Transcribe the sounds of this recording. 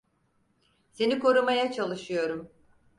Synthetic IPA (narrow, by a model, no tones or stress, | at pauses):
se̞nikʰo̞ɾumajat͡ʃʰalˠɯʃɯjo̞ɾum